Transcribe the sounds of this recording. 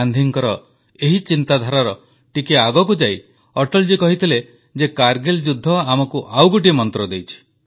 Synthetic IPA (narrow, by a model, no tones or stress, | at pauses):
and̪ʱiŋkɔɾɔ | eɦit͡ʃint̪ad̪ʱaɾaɾɔ | ʈikeaɡɔkud͡ʒaj | ɔʈɔld͡ʒikɔɦit̪ʰile | d͡ʒekaɾɡeld͡ʒud̪ʱːɔamɔkuʔawɡuʈ̬imɔnt̪ɾɔd̪ejt͡ʃʰi̥